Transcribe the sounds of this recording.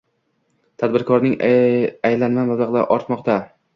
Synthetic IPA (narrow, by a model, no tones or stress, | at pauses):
t̪ʰad̪̚bɪɾkʰɒɾnɪŋajlanmamablˠaʁla̰ʔɒɾt̪mɒqt̪a